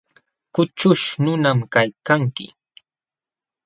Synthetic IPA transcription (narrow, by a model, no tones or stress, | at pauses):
kʊt͡ʃʊʃnʊnamkajkaŋkɪ̰